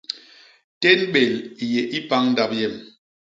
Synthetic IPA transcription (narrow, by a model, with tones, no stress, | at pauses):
te˦nɓe˨li˨je˨ʔi˦pa˦ŋn̩˦da˦˨p̚jɛ˦˨m